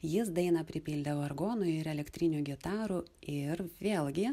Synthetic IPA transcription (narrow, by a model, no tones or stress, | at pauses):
jɪsd̪ɐɪnɐpʲɾʲɪpʲilʲd̪ɐʋoɐɾɡoːnʊɪɾɛlʲɛkt̪ʲɾʲɪnʲuːɡʲɪt̪ɑːɾuɪɾʋʲeːlˠɡʲɪ